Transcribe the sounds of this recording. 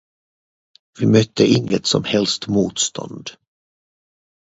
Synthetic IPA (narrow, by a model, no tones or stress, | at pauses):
vɪmœt̪ʰːəʔɪŋːət̪sɔ̰mhɛlst̪muːt̪st̪ʰɔ̰nd̪